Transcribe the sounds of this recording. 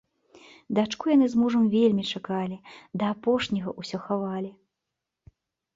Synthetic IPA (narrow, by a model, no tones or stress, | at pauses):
d̪at͡ʂkujanɨzmuʐɐmvʲelʲmʲit͡ʂakalʲid̪ɐːpɔʂnʲɐɣɐ̰ʔusʲɔxavalʲi